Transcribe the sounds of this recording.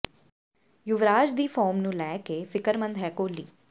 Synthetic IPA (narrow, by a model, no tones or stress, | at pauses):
jʊʋɾaːd͡ʒd̪iːfʰɔːɾmnũːlɛːkeːfɪkəɾmə̃nd̪ɦɛːkoːliː